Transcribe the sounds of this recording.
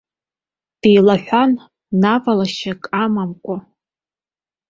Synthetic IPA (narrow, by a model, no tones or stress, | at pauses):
d̥ejlaħᶣʷanː | avalaʃakʼamamkʷʼʊ